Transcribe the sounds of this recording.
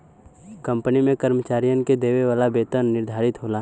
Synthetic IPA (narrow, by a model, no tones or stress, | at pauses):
kɐ̃mpənimẽkəɾmət͡ʃaːɾijənked̪eːʋeʋaːlabeːt̪ənːɪɾd̪ʱaːɾɪt̪ɦoːlaː